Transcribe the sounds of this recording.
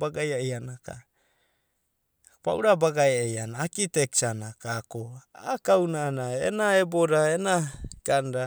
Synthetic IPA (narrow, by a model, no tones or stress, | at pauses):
baɡajaeanaka̰ | pa̰uɾabaɡajaeanaːkiteksanakakoakawnanaḛnaeboɾaenaɡ̥anɾa